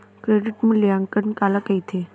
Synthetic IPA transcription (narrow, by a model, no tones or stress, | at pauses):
kɾeɖiʈmũljaŋkənkalakəjt̪ʰe